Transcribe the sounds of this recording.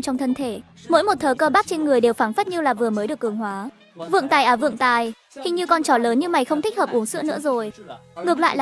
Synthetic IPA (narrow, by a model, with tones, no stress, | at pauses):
t͡ɕɔ˧wŋ͡mt̪ʰə˧nt̪ʰe˧˩ | mo̰˧˥jmo˨˩t̚t̪ʰəː˨˩kəː˧ɓaː˦˥k̚t͡ɕe˧nŋɨ˨˩əjɗe˨˩wfaː˧˩nfə˦˥t̚ɲɨ˧wlaː˨˩vɨ˨˩əməː˨˦jɗɨ˨˩əkːɨ˨˩əŋɦwaː˨˦ | vɨ̰˧˨əŋt̪aː˨˩jʔəː˧˩vɨ̰˧˨ŋt̪aː˨˩j | hï˧ŋ̟ɲɨ˧kɔ˧˩nt͡ɕɔ˧˩ləː˨˦nɲɨ˧ma˨˩jxə˧wŋ͡mt̪ʰi˦˥k̟̚həː˨˩p̚ʔu˨˦əŋsɨ̰˧˥ənɨ̰˧˥əzo˨˩jŋɨ˨˩əkla̰ː˧˨l